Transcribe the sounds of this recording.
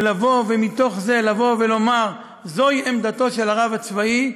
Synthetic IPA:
lavo̞vemit̪o̞χze̞lavo̞ve̞lo̞maʁ | zo̞iʔemd̪at̪o̞ʃelaʁavat͡svai

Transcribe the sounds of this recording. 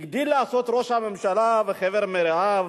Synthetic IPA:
ɡd̪ilːaːso̞t̪ɾoʃamemʃalaveχeveɾmeɾeav

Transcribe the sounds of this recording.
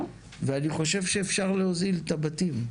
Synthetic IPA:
veaniχo̞ʃe̞vʃeːfʃaʁleozilt̪abat̪im

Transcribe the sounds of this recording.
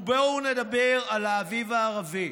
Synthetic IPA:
beunedabeʁalaːvivaːʁavi

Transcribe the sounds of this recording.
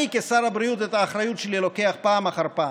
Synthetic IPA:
jikesaɾabɾiutetaːχɾajutʃelilo̞ke̞aχpaːmaχaʁpa

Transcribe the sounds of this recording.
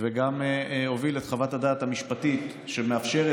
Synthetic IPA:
veɡamho̞vilet̪χavathadaːt̪hamiʃpatit | ʃemeafʃe̞ʁe

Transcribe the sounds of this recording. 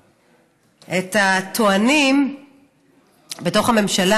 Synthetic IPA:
ʔetat̪ʰoanim | beto̞χame̞mʃala

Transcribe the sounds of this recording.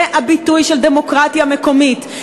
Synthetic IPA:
eʔabitujʃelde̞mo̞kʁatjame̞ko̞mit

